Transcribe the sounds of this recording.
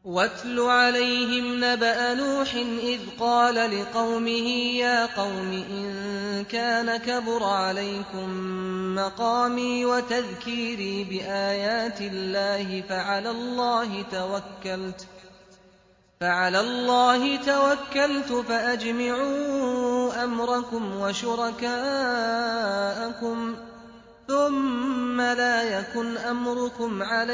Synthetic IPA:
wat̪lʊʕalajɦɪmnabaʔanuːħɪnʔɪðqɑːlalɪqɑwmɪɦɪjaːqɑwmɪʔɪnkaːnakabʊɾˤʕalajkʊmːɑqɑːmiːwat̪aðkiːɾiːbɪʔaːjaːt̪ɪlːaːhɪfaʕalaːlˤːɑːɦɪt̪awakːalt̪ | faʕalaːlˤːɑːhɪt̪awakːalt̪ʊfaʔad͡ʒmaʕuːʔamɾˤɑkʊmwaʃʊɾˤɑkaː | ʔakʊm | θʊmːalaːjakʊnʔamɾʊkʊmʕal

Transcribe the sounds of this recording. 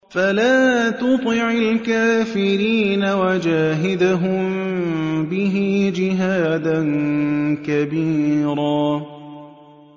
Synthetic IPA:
falaːt̪ʊt̪ˤɪʕɪlkaːfɪɾiːnawad͡ʒaːɦɪd̪aɦʊm | bɪɦɪd͡ʒɪɦaːd̪ankabiːɾaː

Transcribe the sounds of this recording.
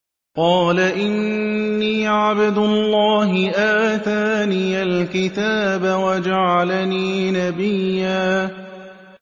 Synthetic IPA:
qɑːlaʔɪnːiːʕabad̪ʊlˤːɑːɦɪʔaːt̪aːniːalkɪt̪aːbawad͡ʒaʕalaniːnabɪjːaː

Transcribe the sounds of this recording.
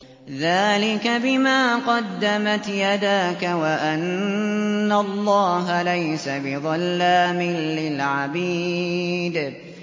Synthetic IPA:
ðaːlɪkabɪmaːqɑd̪ːamat̪jad̪aːkawaʔanː | alˤːɑːɦalajsabɪðˤɑlːaːmɪnːɪlʕabiːd̪

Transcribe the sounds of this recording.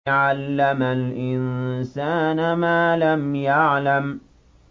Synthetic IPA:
ʕalːamalʔɪnsaːnamaːlamjaʕlam

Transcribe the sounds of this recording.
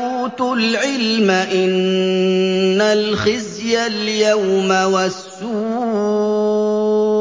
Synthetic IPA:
uːt̪ʊlʕɪlmaʔɪn | alxɪzjaljawmawasːuː

